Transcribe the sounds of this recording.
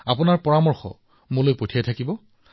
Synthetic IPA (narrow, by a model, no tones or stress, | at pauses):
apʊnaɹpɔɹamɔɹxɔ̰ | mʊlojpotʰijatʰakibɔ